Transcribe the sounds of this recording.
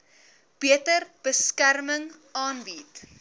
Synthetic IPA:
b̥iətərb̥əskærməŋ | ɑːnbit

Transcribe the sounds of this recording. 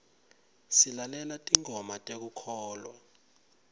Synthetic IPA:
silalɛlatʼiŋʱɔmatʼek̬ukʰɔːlwa̰

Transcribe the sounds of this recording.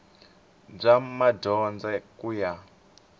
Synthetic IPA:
b͡ʐamadɔnd͡zɛkuja

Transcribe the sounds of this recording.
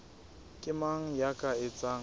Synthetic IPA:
kʼɪmaŋ̩jakʼaɪt͡sʼaːŋ̩

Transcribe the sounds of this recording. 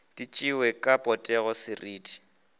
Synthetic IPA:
d̥it͡ʃʼɪwɛkʼapʼɔtʼɛɣɔsɪriːtʰi̥

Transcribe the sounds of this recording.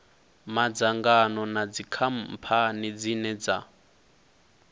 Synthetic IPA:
mad͡zaŋɡanɔnad͡zikʰam̩pʰanid͡zinɛd͡za

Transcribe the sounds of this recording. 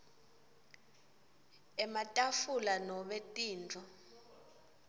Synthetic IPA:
ɛmatʼafulanɔɓetʼiːnd͡ɮʱɔ

